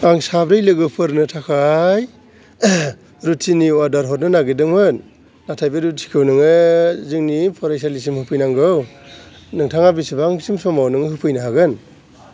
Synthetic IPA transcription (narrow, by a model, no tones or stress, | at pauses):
aŋsabɾɯjlɯɡɯwpʰɯɾnɯtʰakʰaj | ɾutʰiniwadaɾɦɔt̚nɯnaɡidɯŋmɯnː | atʰajbɯɾutʰi̥kʰɯwnɯŋɯzɯŋnipʰɔɾajsalis̬imhɯpʰɯjnaŋɡɯw | nɯŋtʰaŋabisibaaŋsimsɔmawnɯŋɯhɯpʰɯjnɯɦaɡɯn